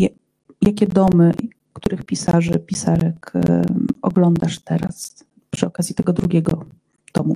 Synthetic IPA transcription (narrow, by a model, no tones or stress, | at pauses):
ja | jakʲɛd̪ɔmɘ | kt̪uɾɘxpʲisaʐɛ̰pʲisaɾɛk | ɔɡlɔnd̪aʂt̪ɛɾa̰s | pʂɘɔkazʲjit̪ɛɡɔd̪ɾuɡʲɛɡɔ | t̪ɔmu